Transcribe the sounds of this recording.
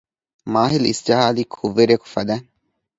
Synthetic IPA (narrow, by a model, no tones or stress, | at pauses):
maːɦilisd͡ʒɐɦaːlikʰuʋːeɾɐku̥fɐd̪æŋ